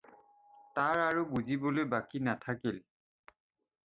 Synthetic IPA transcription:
taɹaɹubuzibɔlojbakinatʰakil

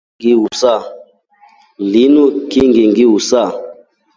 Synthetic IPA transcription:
ŋɡiwusa | linukiŋɡiŋɡiwusa

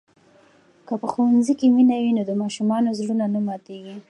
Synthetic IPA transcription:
kəpəxowanzikeminawinod̪əmɑʃumɑnozɽunanamɑt̪eɡi

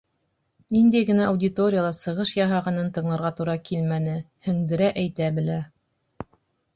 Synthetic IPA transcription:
nind̪æjɡɘ̆næːwdʲɪt̪o̞ɾʲɪjalˠɑsɤ̆ʁɤʃjɑɦɑʁɑnɤnt̪ɤ̆ɴlˠɤ̆ɾʁɑt̪uɾɑkʰilmænɘ | hɵ̆ŋd̪ɘ̆ɾæʔæjt̪æbɘ̆læ

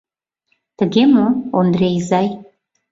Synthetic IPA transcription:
t̪əɡʲemoond̪ɾejzɑj

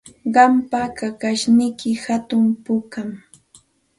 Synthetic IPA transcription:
ɢɑmpakakaʃnɪjkɪhat̪ʊmpʊkam

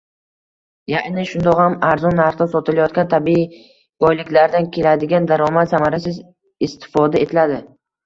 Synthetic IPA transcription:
jaɪnaʃʊnd̪ɒqhamaɾzɒnːaɾχt̪asɒt̪ʰɪlajɒt̪̚kʲant̪ʰabi | ɡɒjlɪkʲlaɾd̪ankʲʰe̞lad̪ɪɡʲand̪aɾɒmat̪samaɾasɪz | ɪst̪ɪ̥fɒd̪ae̞t̪ʰɪlad̪ɪ

